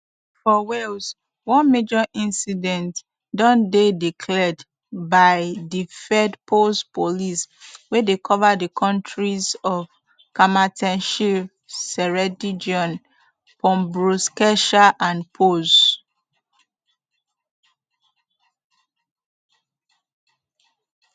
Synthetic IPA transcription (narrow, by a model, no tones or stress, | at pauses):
fɔwels | wɔ̃nmed͡ʒɔʔĩnsidɛ̃nt | dɔ̃ndedikʰlɛd | baɪdifɛdpʰospoliswedekʰɔvadəkʰɔ̃ntɹizɔv | kamatʰɛ̃nʃip | sɛɹɛdid͡ʒiɔ̃n | pʰɔ̃mbɹoskɛʃaʔãnpʰos